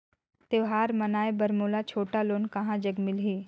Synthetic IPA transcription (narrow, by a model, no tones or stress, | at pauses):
t̪eʋɦaːɾmɐnaːebɐɾmoːlat͡ʃʰoːʈaloːnkɐɦãd͡ʒɐɡmɪlɦiː